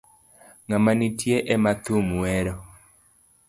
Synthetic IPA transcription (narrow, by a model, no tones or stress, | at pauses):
ŋamanitjeʔɛmat̪umwɛɾɔ